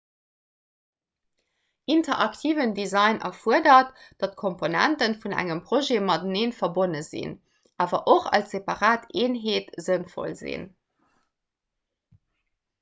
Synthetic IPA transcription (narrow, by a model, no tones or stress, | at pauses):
ʔintɐʔɑktʰiːvəndizɑɪnʔɐ̰fuədɐtd̥ɑt̚kʰomponæ̰ntənfunæ̰ŋəmpʁoʒeːmɑdəneːnfɐbonəzḭn | ʔaːvɐʔoχɑ̰lsepɑʁaːtʰʔeːnɦeːtzənfo̰lzḭn